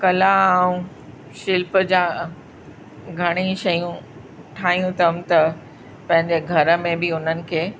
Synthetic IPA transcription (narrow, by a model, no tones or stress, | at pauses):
kɐlaːũ | ʃɪlpəd͡ʑaː | ɡʱɐɽ̃iʃɐjũ | ʈʰaːijũt̪ɐmt̪ɐ | pɐ̃ɦɪ̃ɲd͡ʑeɡʱɐɾə̆mẽbiʊn̤ənɪ̆kʰeː